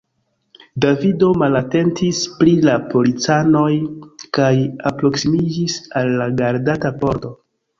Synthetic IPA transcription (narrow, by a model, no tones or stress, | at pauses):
davido̞malate̞ntʰispɾilapo̞lit͡sano̞jkajapɾo̞ksimid͡ʒisalːaɡaɾdatapo̞ɾto̞